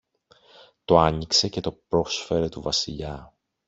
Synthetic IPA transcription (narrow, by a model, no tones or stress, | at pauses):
t̪o̞ɐɲikse̞ce̞t̪o̞pɾo̞sfe̞ɾe̞t̪uvɐsiʎɐ